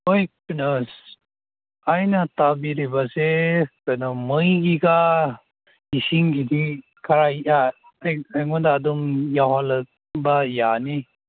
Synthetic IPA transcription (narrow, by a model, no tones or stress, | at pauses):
ojpɯnɔs | ajnatabiɾibasekɯnɔmɯjɡiɡa | isiŋɡidi | kʰaɾaja | ajajŋɔdaːdumjawhalɯk̚ | bajani